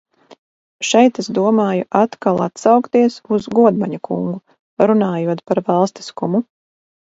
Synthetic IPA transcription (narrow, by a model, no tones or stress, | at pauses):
ʃɛjt̪ezd̪uɔmaːjuʔat̪kalˠat̪sɑwkt̪iɛsuzɡuɔd̪maɲakṵŋɡu | ɾunaːjuɔt̪paɾvɑlˠst̪i̥skumu